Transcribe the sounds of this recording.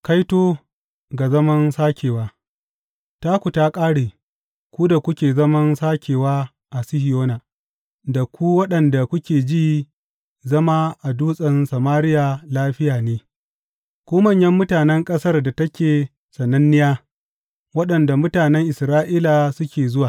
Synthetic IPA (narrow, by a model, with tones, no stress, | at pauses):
ka˦jtoː˦ | ɡa˨zɐ˦mɐ˦nsaː˦kʲeː˨waː˦˨ | taː˦kʷu˨taː˦kʼaː˦ɽeː˨ | kʷu˦da˨kʷʊ˦kʲeː˨zɐ˦mɐ˦nsaː˦kʲʰeː˨waː˦ | ʔa˨sɪ˦hɪ˨joː˦naː˨ | da˨kʷu˦wɐ˦ɗɐ˨nda˨kʷʊ˦kʲeː˨d͡ʒiː˦ | zɐ˦ma˦ʔa˨duː˦sʼɐ˨nsɐ˨maː˦ɾɪ˦ja˨laː˦ɸɪ˦jaː˨neː˦ | kʷuː˦mɐ˦˨ɲjɐ˦mːʊ˦taː˨nɛ˦ŋkʼɐ˦sɐ˦rda˨tɐ˦kʲeː˨ | sɐ˨nːɐ˦nːɪ˦jaː˦ | wɐ˦ɗɐ˨nda˨mʊ˦taː˨nɛ˦ŋʔɪ˨sɾaː˦ʔiː˦la˨sʊ˦kʲeː˨zʊ˦waː˨